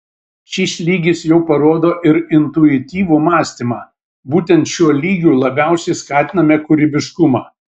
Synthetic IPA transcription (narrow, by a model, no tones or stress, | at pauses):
ʃʲiːslʲiːɡʲɪsjɛʊpɐɾoːd̪oːʔɪɾɪnt̪ʊɪt̪ʲiːʋumɑːsʲt̪ʲimɑː | buːt̪ʲɛnt̪ʃʲuɔlʲiːɡʲuːlˠɐbʲæˑʊsʲɛɪskɑːt̪ʲɪnɐmʲeːkʊɾʲɪbʲɪʃkʊmɑː